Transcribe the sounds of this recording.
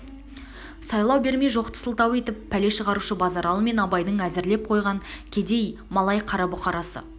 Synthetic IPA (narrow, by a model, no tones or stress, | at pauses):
sɑjlˠɑwbe̞ɾme̞jʒo̞qt̪ʰə̥səlˠt̪ɑwe̞t̪ɪpʰːæle̞ʃəʁɑɾuʃəbɑzɑɾɑlˠəme̞nɑbɑjd̪əɴæzɪɾle̞p̚qʰo̞jʁɑŋkʲʰe̞d̪e̞jmɑlˠɑjqʰɑɾɑbʊqɑɾɑsə̰